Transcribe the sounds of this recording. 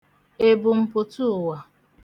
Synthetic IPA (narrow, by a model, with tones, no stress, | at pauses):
e˦bʊ˨m̩˦pʊ˨tu˦ʊ˨wa˨